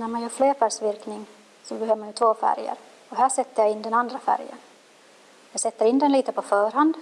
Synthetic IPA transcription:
næɾmanjœːɾfleːɾfæɾʂvɪɾknɪŋ | sɔbɛɦøːvəmanjɵt̪ʰvoːfæ̰ɾjə̰ɾ | ɔɦæːʂɛt̪ːəjaɪnːd̪ɛnand̪ɾafæ̰ɾjə̰n | jɑɡsɛt̪ːəɾɪnd̪ɛnliːt̪əpʰɔfœːɾɦand̪

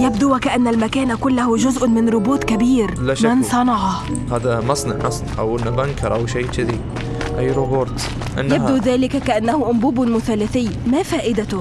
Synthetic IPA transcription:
jabd̪uækaʔanːalmækæːnakʊlːahʊʒʊzʔmɪnɾoboːt̪kabiːɾlamɪnsˤɑnɑʕɑhaːd̪æmɑsˤnɑ̰ʕmɑsˤnɑʕʔa̰wʔɪnːabaŋkɑɾˤʔawʃaːʃɪd̪i | ʔajːɾoboːɾt̪ | ʔɪ̰nːjab̚d̪uðæːlɪkækæʔanːæhʊʔʊmbuːbʊmʊθalːæθɪjːmæfæːʔɪd̪at̪ʊ

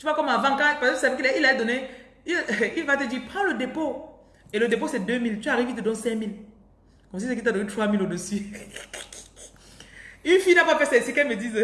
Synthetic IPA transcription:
t̪yvakɔmavãkãpazãpsavek̬ililaɛd̪ɔne | ililvat̪əd̪ipχãləd̪epo | eləd̪ep̬osɛd̪ømilt̪yaʁivit̪əd̪ɔ̃nsɛ̃mil | kɔms̬is̬ek̬it̪̬ad̪ɔnet̪χwamilod̪əsy | ynfinapafɛsesikɛlməd̪iz

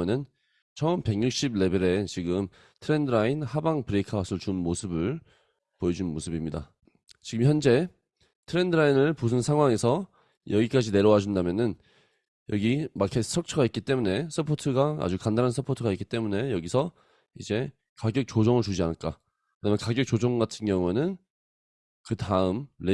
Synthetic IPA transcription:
nɯn | t͡ɕʰʌmpe̞ŋɲjuk̚ɕ͈ibɭe̞be̞ɾe̞t͡ɕiɡɯm | tʰɯɾe̞ndɯɾainhabaŋpɯɾekʰasʰɯɭt͡ɕunmosʰɯbɯɭ | poʌd͡ʑunɯnmosʰɯbimɲida̰ | t͡ɕiɡɯmçjʌnd͡ʑe̞ | tʰɯɾe̞ndɯɾainɯɭpus̬ʰɯnsʰaŋɦwaŋe̞sʰʌ | jʌɡik͈ad͡ʑine̞ɾjʌwad͡ʑundamjʌnɯn | jʌɡimakʰetʰsʰʌk̚t͡ɕʰʌɡaik͈it͈e̞mune̞sʰɯpʰotʰɯɡaa̰d͡ʑukandaɾɦansʰɯpʰotʰɯɡaik͈it͈e̞mune̞jʌɡisʰʌ | id͡ʑe̞ | kaɡjʌk̚t͡ɕod͡ʑʌŋɯɭt͡ɕud͡ʑianɯɭk͈a | kɯdamjʌnkaɡjʌk̚t͡ɕ͈od͡ʑʌŋɡatʰɯnɡjʌŋue̞nɯn | kɯtaɯmɾe

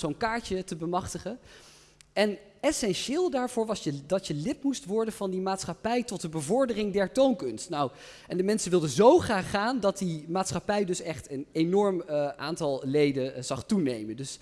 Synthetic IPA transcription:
zownkaːɹtətəbəmɑχtəχən | ɛn | ɛsɛnʃɪːlˠdaːɹv̥ʊːɹʋɑsjədɑtjəlɪpmustʋɔɹdənvɑndimaːtsχapɛjtɔt̚dəbəvɔɹdərɪŋdɛɹtownkɵnstnaw | ɛndəmɛnsənʋɪlˠdəzowχraːχːaːndɑt̚dimaːtsχɑpɛjdɵsɛχtənenɔɹmʔa̰ːntɑlˠlejdəz̥ɑχtunejməndɵs

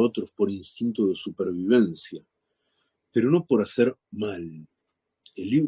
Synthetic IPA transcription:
ot̪ɾospo̞ɾinst̪int̪oðe̞supeɾβ̞iβ̞e̞nsja | peɾo̞no̞po̞ɾaseɾmal | elːiβ

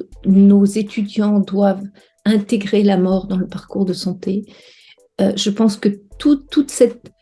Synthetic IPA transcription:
nozet̪ʰyd̪jɑ̃d̪wav | ɛ̃t̪eɡʁelamɔʁd̪ɑ̃ləpaʁkuʁd̪əsɑ̃t̪e | øʒəpɑ̃skət̪ut̪ːut̪sɛt̪̚

